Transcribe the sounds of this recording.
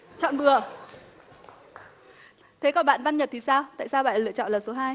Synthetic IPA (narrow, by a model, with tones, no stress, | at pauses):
t͡ɕɔ̰˧˨nɓɨ˨˩ə | t̪ʰe˨˦kɔ˧˩nɓa̰ː˧˨nva˧nɲə˨˩t̪ʰi˨˩saː˧wt̪a̰ː˧˨jsaː˧wɓa̰ː˧˨nlɨ̰˧˨ət͡ɕɔ̰˧˨nlaː˨˩so˨˦ɦaː˧j